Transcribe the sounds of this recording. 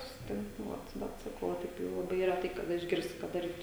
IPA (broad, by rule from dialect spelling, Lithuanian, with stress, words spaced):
sʊsʲɪˈtʲɪŋk nʊ ˈʋɐt ˈbʲɛt sɐˈkɐʊ oː ˈtɐɪp tɐɪ lˠɐˈbɐɪ rʲɛˈtɐɪ kɐˈdɐ ɪʒʲˈɡʲɪrʲsʲtʲɪ kɐt dɐˈrʲiːtʊ